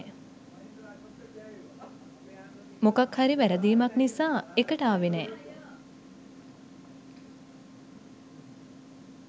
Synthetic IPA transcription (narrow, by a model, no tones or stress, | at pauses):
mokakhaɾiʋæɾəd̪iːmaknisaːekəʈəaːʋenɛː